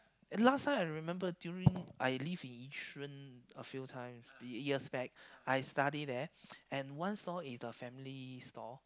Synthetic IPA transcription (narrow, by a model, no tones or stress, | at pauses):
lastʰãɪmaɪɹɹimɛ̃mbədjuɹĩŋʔaɪlivĩnit͡ʃɹə̃nəfiltʰãɪ̃miəsbɛk̚ʔaɪstadidɛɛ̃nwãnstɔisəfɛ̃mlistɔ